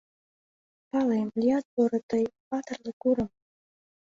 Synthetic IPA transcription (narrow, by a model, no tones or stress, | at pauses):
pɑlemlʲiɑt̪̚poɾɤ̆t̪əjpɑt̪ə̆rlɤ̆kuɾə̆m